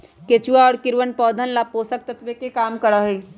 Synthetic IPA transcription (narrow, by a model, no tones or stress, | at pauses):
ket͡ʃuaɔːɾkɪɾwənpɔːd̪ʱənlapoːsək̚t̪ɐt̪ʋekekaːmkəɾaɦui